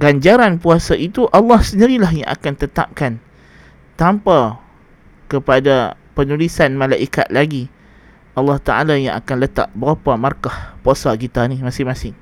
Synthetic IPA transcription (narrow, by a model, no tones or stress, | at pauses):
ɡaɲd͡ʒaɾanpuasaʔit̪uʔɑlːɑhsəndiɾilaɦja̰ŋʔa̰kant̪ət̪a̰p̚kan | t̪ampa | kəpadapənulisanmãlaʔika̰t̪̚laɡi | ɑlːɑht̪aʔa̰lajaŋa̰kanlət̪a̰ʔbəɾapamarkahposaɡit̪animasɪmasɪŋ